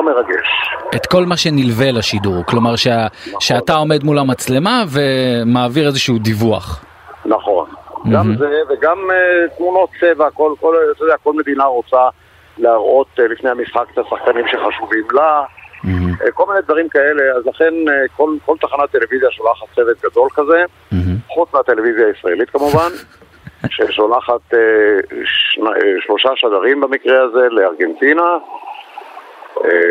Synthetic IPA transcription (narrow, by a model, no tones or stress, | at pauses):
omeʁaɡḛʃet̪ko̞lmaʃe̞nilvelaʃiduʁklo̞maʁʃeʃeat̪ao̞me̞d̪mulamat͡sle̞mave̞maːviʁe̞zeʃuud̪ivua̰χ | naχo̞̰nɡam̩zeveɡamet̪muno̞t̚t͡se̞vakolkolat̪ojdeako̞lme̞d̪inaʁot͡sa | laaʁʔo̞t̪lifnejamisχake̥t̪asaχkanimʃeχaʃuvimla | ḛko̞lmined̪vaʁimkae̞le̞azlaχe̞nko̞lko̞lt̪aχanat̚t̪e̞levizjaʃolaχat̪t͡se̞vet̪̚ɡad̪o̞lkaze̞ | χut͡smat̪e̞le̞vizjaːisʁaelit̪kamuvan | ʃeʃolaχat̪eʃnaʃlo̞ʃaʃaɡaʁimbamikʁeaze̞leaʁɡent̪ina | ḛ